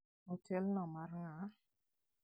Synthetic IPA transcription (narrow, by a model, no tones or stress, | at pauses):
otʰɛlnɔmaɾŋa